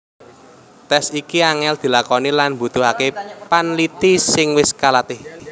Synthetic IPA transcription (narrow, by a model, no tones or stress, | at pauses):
t̪ɛsikiaŋɛld̪̥i̤lakɔnilanmbṳt̪ʊɦakepanlit̪isɪŋwɪskalat̪ɪh